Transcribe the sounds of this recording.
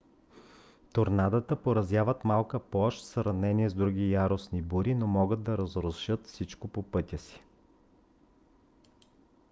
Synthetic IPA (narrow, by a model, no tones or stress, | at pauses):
t̪oɾnad̪ət̪əpoɾɐzjavət̪malˠkəplˠɔʃsɾɐvnɛniɛzd̪ɾuɡʲijaɾosnibuɾinomɔɡəd̪̚d̪ɐɾɐzɾosʃɤt̪fsit͡ʃkopopɤt̪ʲəsi̥